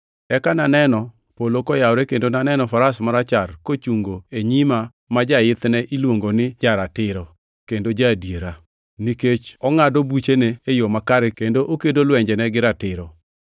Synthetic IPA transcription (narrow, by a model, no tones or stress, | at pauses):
ɛkananɛnɔ | polokɔjawɾɛkendonanɛnɔfaɾasmaɾat͡ʃarkot͡ʃuŋɡoeɲima | mad͡ʒajɪt̪nɛʔilwoŋɡonɪd͡ʒaɾatɪɾɔ | kendod͡ʒadjeɾa | niket͡ʃɔŋadobut͡ʃeneːjomakaɾɪkendoʔokedolwɛɲd͡ʒɛnɛɡɪɾatɪɾɔ